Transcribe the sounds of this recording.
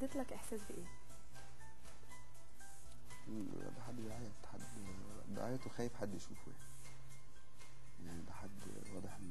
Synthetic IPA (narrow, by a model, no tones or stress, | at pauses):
d̪eːt̪lækʔeħsæːsbeʔeː | b̪æħad̪ːjeʕaːjæt̪ħad̪ | d̪ḛʕajæt̪oxæːjefħad̪ːjeʃṵːfwḛni | jaʕnid̪æħad̪ː | wɑːd̪ˤeħ